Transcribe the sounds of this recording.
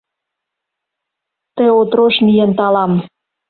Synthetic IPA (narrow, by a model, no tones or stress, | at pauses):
t̪eot̪ɾoʃmijent̪ɑlɑm